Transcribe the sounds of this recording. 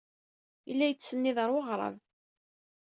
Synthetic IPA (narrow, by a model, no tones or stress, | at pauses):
ilːæjət͡sːsənːiðəɾˤwəʁɾˤɑ̰v